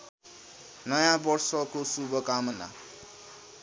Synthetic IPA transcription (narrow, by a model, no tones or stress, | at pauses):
nʌjãbʌrsʌkosubʌkamʌna̰